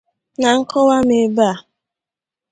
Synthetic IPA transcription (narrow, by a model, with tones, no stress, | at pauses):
na˨ŋ̩˦kɔ˦wa˦me˨ba˦a˨